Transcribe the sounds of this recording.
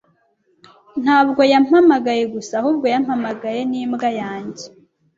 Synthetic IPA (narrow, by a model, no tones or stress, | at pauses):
n̥haːbɡo̞jam̥hamaɡaje̞ɡusahuːb̚ɡo̞jam̥hamaɡaje̞niːmɡajaːɲɟe